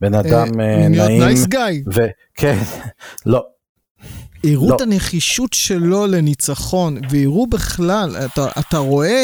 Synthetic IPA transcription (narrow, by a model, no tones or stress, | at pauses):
benadamnjoaijmsɡajve | kʰenlo | iʁuotaneχiʃutʃelo̞lenit͡saχo̞nveiʁubeχlalataʔa̰taʁo̞e̞